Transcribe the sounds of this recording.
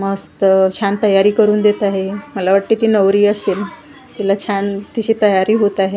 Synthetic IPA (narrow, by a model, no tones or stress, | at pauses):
məst̪ət͡ɕʰant̪əjaɾiːkəɾuːnd̪et̪aɦeməlaʋəʈːiːt̪iːnəʋɾiːəseːl | t̪ilat͡ɕʰant̪iɕiːt̪əjaɾiːɦot̪aɦe